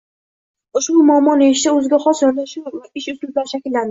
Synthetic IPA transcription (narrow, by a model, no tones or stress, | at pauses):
ʊʃbʊmʊɒːmːɒnɪɪʃd̪aɵzɪɡʲaχɒsjɒnd̪aʃʊɪʃʊt̪lɪblaɾʃakʲɪlːand̪ɪɪ